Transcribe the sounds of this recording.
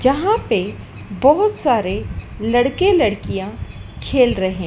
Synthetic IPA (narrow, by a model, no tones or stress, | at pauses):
d͡ʒɐɦãpe | bɔɦʊt̪saːɾe | lɐɽkelɐɽkijãkʰeːlɾɐɦẽ